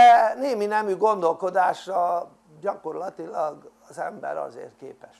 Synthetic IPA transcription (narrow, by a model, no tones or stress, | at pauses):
ɛneːminɛmyɡo̞nd̪o̞lko̞d̪aːʃrɒ | ɟɒko̞rlɒt̪ilɒɡɒzɛmbɛ̰ɾɒ̰zḛːrt̪̚kḛːpɛʃ